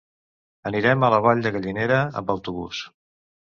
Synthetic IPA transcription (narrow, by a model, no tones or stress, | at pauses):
əniɾɛmələβɔʎd̪əɣəʎineɾəə̰mbəwt̪uβṵs